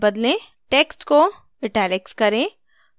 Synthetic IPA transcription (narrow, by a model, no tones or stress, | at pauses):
bɐd̪lẽ | ʈeːksʈko | ɪʈɛːlekskɐɾẽ